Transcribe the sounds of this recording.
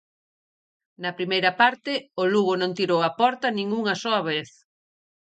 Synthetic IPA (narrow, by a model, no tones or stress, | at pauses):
nɐpɾimejɾɐpaɾt̪ɪʊluɣʊnõŋt̪iɾowɐpɔɾt̪ɐnĩŋuŋɐsoɐβeθ